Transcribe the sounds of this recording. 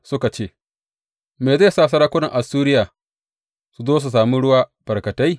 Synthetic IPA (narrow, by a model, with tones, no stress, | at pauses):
sʊ˦ka˨t͡ʃeː˦˨ | meː˨za˦˨saː˦˨s̬ɐ˦ɾaː˦kʷʊ˦nɐ˨ŋʔa˨suː˦ɾɪ˦jaː˨ | su˨zoː˦s̬u˨s̬aː˨mi˦ɽʊ˦waː˦b̥ɐ˨rkɐ˨ta˦j